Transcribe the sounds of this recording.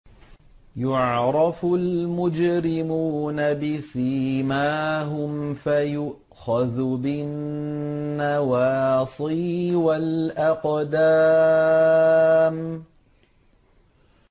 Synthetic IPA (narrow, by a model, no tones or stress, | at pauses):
jʊʕɾˤɑfʊlmʊd͡ʒɾɪmuːnabɪsiːmaːɦʊmfajʊʔ | xaðbɪnː | awɑːsˤiːwalʔaqd̪aː | m